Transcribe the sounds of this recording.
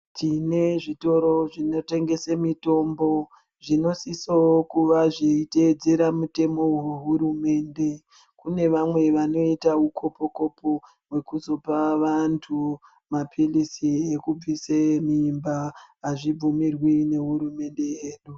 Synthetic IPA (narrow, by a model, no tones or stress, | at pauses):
tine̞ʐito̞ɾo̞ʐino̞te̞ŋɡe̞semito̞mbo̞ | ʐino̞sisookuʋaʐeited͡zeɾamute̞mo̞weɦuɾume̞ːnde̞ | kune̞ʋamwe̞ʋano̞itaukʰo̞po̞ko̞po | we̞kuzo̞paʋantʰu | mapʰilisiekub͡visemiːmbaːʐib͡vumirwine̞ɦuɾume̞nde̞jeːɗu